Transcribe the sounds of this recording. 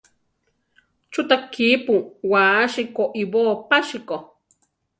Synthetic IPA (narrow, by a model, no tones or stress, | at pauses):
t͡ʃut̪akʰiːpuwaːʃikoʔiboːpaʃiko